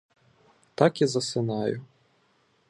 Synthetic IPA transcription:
t̪ɑkizɐsɪnɑjʊ

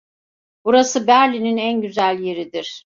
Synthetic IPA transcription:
b̥uɾasɯbæɾlʲininænɟyzælʲje̞ɾid̪iɾ̥

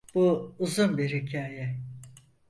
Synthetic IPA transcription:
b̥uuzunbiɾhicʰaːjɛ

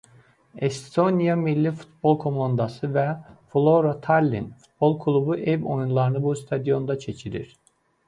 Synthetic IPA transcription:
est̪ʰo̞njamilʲːifu̥t̪̚b̥o̞lˠkʰo̞mand̪asɯvɛflˠo̞ɾat̪ʰalʲːḭnfu̥t̪̚bo̞lˠkʰulˠubuʔɛvo̞̰junlˠaɾɯnɯbust̪ʰad̪ijo̞nd̪at͡ʃʰe̞t͡ʃʰiɾḭɾ̥

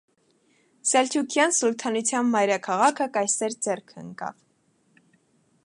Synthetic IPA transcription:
sɛlt̪ʰukʰjɑnsult̪ʰɑnut͡sʰjɑnmɑjɾɑkʰɑʁɑkʰəkɑjsɛɾd͡zɛrkʰə̰ŋkɑ̰v

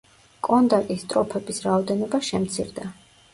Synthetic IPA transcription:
kʼɔnd̪akʼist̪ʼɾɔpʰɛbisɾaɔd̪ɛnɔbaʃɛmt̪sʰḭɾd̪a

